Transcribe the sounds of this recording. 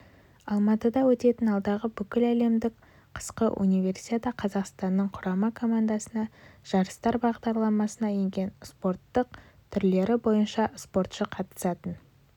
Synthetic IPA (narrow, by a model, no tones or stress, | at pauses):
ɑlˠmɑt̪əd̪ɑwɵt̪e̞t̪ɪnɑlˠd̪ɑʁəbʏkʲɪlæle̞md̪ɪk | qʰə̥sqəʔṵnijve̞ɾsi̥t̪et̪ɑqʰɑzɑqst̪ɑnːəɴqʰʊɾɑmɑkʰo̞mand̪ɑsənɑʒ̥ɑɾəst̪ɑɾbɑʁd̪ɑɾlˠɑmɑsənɑjeŋɡʲe̞nspo̞ɾt̪ːəq̚ | t̪ʰʏɾle̞ɾɪbo̞jənʃɑspo̞ɾt̪ʃəqʰɑt̪ə̥sɑt̪ən